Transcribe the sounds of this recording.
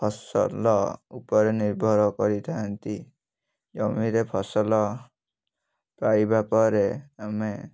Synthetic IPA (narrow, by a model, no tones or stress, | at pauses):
pʰɔsɔ̰lɔupɔɾeniɾbʱɔɾɔkɔɾit̪ʰaɦant̪i | d͡ʒɔmiɾepʰɔsɔlɔ | pɾajbapɔɾeame